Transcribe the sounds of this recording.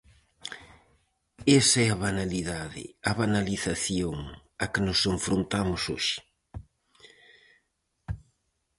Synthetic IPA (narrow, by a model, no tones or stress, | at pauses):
esɐɛɐβanaliðaðɪ̰ɐβanaliθaθjoŋ | ɐkɪnʊseɱfɾont̪amʊso̰ʃɪ̥